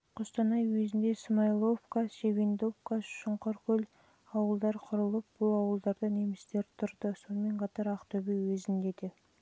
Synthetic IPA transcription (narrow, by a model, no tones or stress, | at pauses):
qʰost̪ɑnɑjwezɪnd̪e̞smɑjlˠo̞fkasevend̪o̞fkaʃʊɴqoɾkʲʰɵl | ɑwəlˠd̪ɑɾqʰʊɾəlˠəp̚b̥ʊlˠɑwəlˠd̪ɑɾd̪əne̞mɪst̪e̞ɾt̪ʰʊɾd̪əso̞nəme̞ɴqʰɑt̪ɑɾɑqt̪ɵbewɵzɪnd̪e̞d̪e